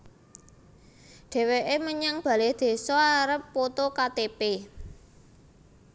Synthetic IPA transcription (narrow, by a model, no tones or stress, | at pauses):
ɖ̪̥e̤weʔeməɲaŋb̥ä̤led̪̥e̤sɔaɾəpːot̪okat̪epe